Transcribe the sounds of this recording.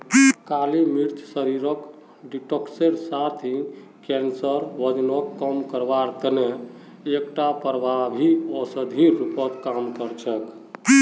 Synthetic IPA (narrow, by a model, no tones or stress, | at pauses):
kalimiɾt͡ʃ̪səɾiɾək | ɖiʈɔkseɾsat̪ʰĩ | kɛnsəɾʋəd͡ʒnɔkːəmkəɾbaɾt̪əne | ekʈapəɾbʱabʱiɔsəd̪ʱiɾupət̪kamkəɾt͡ʃʰək